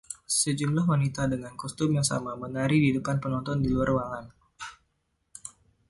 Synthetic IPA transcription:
səd͡ʒumlahwanit̪adəŋankɔst̪umjaŋsa̰mamənaɾididəpanpənɔnt̪ɔndiluarwaŋan

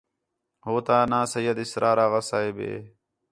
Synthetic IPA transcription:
ɦoːt̪aːnaːsəjəd̪ɪsɾʔaːɾaːɣəsaːeːbḛː

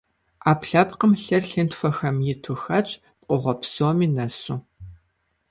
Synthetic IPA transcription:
aːpɬɐpqəmɬɐrɬɨntfɐxɐmjɪtʰʊxɐt͡ʃʼ | pʼʷʊʁʷɔpʰsoːmiːnɐsu

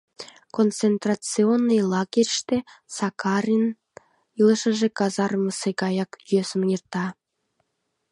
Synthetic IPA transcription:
kont͡sent̪rɑt͡sionːɤjlˠɑɡʲerʲʃt̪esɑkɑrʲin | ilˠə̆ʃə̆ʒĕkɑzɑrmə̆sekɑjɑkøsə̆mjirt̪ɑ

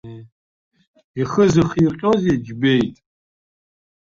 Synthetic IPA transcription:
iχəzɨχiqʲʼozed͡ʒbejtʼ

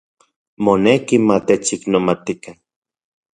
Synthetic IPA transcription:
monekimat̪et͡ʃiknomat̪ika

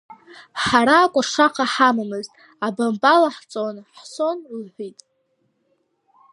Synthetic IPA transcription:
ħaɾaːkʷʼʊʂaqʰaħamamɨztʼ | abambalaħt͡sʼonħso̞nlħʷitʼ

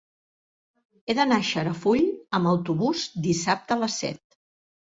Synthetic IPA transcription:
eðənaʃəɾəfuʎəməwt̪uβ̞uzd̪isap̚t̪ələsːɛ̰t̪̚

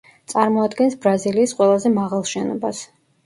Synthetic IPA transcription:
t̪sʼaɾmɔad̪ɡɛnsbɾaziliːsqʼwɛlˠazɛmaʁalˠʃɛnɔ̰bas

